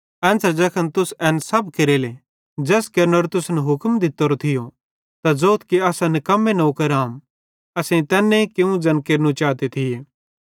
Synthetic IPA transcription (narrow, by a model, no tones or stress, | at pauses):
ɛ̃ːnsəɾd͡ʒɐkʰənt̪ʊsɛːnsɐbkeɾeːle | d͡ʒɛːskɐɾnoɾt̪ʊsnɦʊkmd̪ɪt̪ːoɾot̪ʰɪjo | t̪azoːt̪ʰkiɐːsanɐkɐmːenɐukɐɾaːm | ɐsẽĩt̪ɛːnːẽkeũd͡ʒɐnkeːɾnut͡ʃaːt̪et̪ʰɪjeː